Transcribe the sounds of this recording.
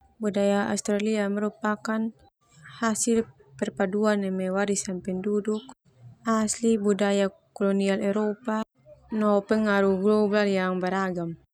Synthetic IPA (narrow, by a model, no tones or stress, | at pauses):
budajaa̰ust̪ɾaliamɛɾupakan | hasilpɛrpaduanɛmɛwaɾisampɛnduduk̚ | aslibudajakɔlɔnialɛɾɔpa | nɔpɛŋaɾuɡlɔbaljaŋbaɾaɡam